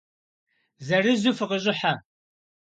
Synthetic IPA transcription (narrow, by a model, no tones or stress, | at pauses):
zɐrɨzʊfɨqəʑʼɪħa